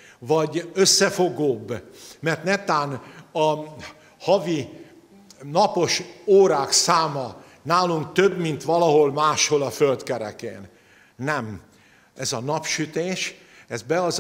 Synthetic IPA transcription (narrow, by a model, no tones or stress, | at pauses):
vɒɟøsːɛfoɡoːbːmɛrt̪nɛt̪aːnɒ | hɒvi | nɒpo̞ʃoːɾaːksaːmɒ | naːluŋk̚t̪øbmint̪ʋɒlɒɦo̞lmaːʃho̞lɒfølt̪kɛɾɛ̰kḛːnː | ɛm | ɛzɒnɒpʃyt̪eːʃ | ɛzbɛɒz